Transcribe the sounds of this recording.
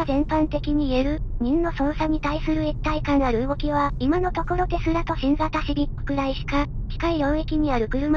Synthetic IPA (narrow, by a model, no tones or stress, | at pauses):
zẽ̞mpãnt̪e̞kʲiɲ̟iːe̞ɾɯ̟ɲ̟ĩnːno̞sõ̞ɰ̃saɲ̟it̪aisɨɾɯet̪ːaikãnaɾɯ̟ɡo̞kʲiβ̞aimano̞t̪o̞ko̞ɾo̞d̪e̞sɨɾat̪o̞ɕĩŋɡat̪aɕibʲio̥kɯ̟ɾaiɕi̥kakʲi̥kaijõ̞ːe̞kʲiɲ̟iaɾɯ̟kɯ̟ɾɯ̟m